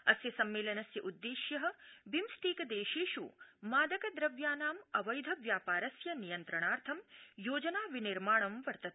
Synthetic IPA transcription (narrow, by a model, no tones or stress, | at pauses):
ɐsjɐsɐmːeːlɐnɐsjɐʔud̪ːeːʃjɐɦɐ̆bʱimst̪iːkɐd̪eːʃiːʃumaːd̪ɐkɐd̪ɾɐʋjaːnaːmɐʋɐjd̪ʱɐʋjaːpaːɾɐsjɐnijɐnt̪ɾɐɳaːɾt̪ʰɐmjoːd͡ʒɐnaːʋiniɾmaːɳɐmʋɐɾt̪ɐt̪